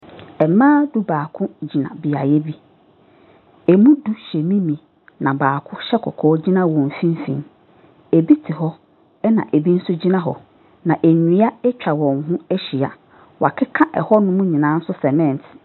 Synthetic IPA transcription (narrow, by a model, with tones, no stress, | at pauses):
ɛ˨mãː˦du˦baː˨kʰʊ̃˦d͡ʑi˨nã̰˨bi˨a˨jɛ˦bi˦ | e˨mũ˦du˦ɕe˨mĩ˦mĩ˨ | nã˨baː˨kʰʊ˦ɕɛ˦kʰɔ̰˨kʰɔː˨˦d͡ʑi˦nã˦wɔ̃˨m˨fĩ˦m˦fḭ̃˨m | e˨bi˦tʰɪ˨ɦɔ˦ | ɛ˦nã̰˨ʔe˨bi˦n̩˦sʊ˦d͡ʑi˦nã˦ɦɔ̰˨ | nã˨ʔe˨ɲĩ˨˦a˦ɛ˦t͡ɕᶣa˨wɔ̃˨ŋɦũ˦æ˦ɕi˨a̰˨ | wa̰˨kʰɪ˦kʰã˦ʔɛ̰˨hɔ˦nʊ̃˦mũ˦ɲĩ˨nã˨˦n̩˦sʊ˦sɛ˨mɛ̃˦˨n˨tʰ